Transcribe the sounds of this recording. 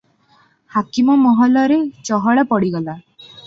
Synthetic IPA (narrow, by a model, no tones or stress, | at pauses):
hakimɔmɔɦɔlɔɾet͡ʃɔɦɔɭapɔɽiɡɔla